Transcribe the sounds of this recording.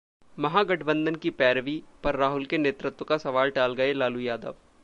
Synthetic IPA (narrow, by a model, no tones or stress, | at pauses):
mɐɦaɡɐʈʰbə̃nd̪ənkipɛːɾʋipɐɾːaːɦʊlkeneːt̪ɾət̪wəkasɐʋaːlʈaːlɡɐelaːlujaːd̪ə̰ʋ